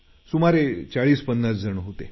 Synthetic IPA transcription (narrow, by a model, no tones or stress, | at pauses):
sumaɾet͡saɭiːspənːat͡sd͡zəɳɦot̪ḛ